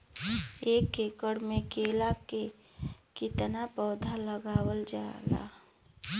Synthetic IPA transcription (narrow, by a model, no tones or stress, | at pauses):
eːkekəɽmẽkeːlake | kɪt̪napəːd̪ʱaləɡaːwəld͡ʒa̰ːla̰ː